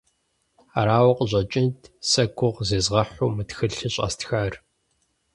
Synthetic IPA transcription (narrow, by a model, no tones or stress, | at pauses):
aɾaːwɐqʼəʑʼɐt͡ʃʼɪntʰsɐɡʷʊʁzeːzʁɐħʷʊːmɨtxɨɬɨɕʼa̰ːstʰxaːr